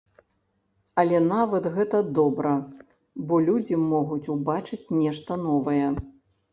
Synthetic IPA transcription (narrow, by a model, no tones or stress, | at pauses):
ɐlʲɛnavɐt̪ɣɛt̪ɐd̪ɔbɾɐ | bɔlʲud͡zʲimɔɣut͡sʲubat͡ʂɨt͡sʲnʲɛʂt̪ɐnɔvɐjɛ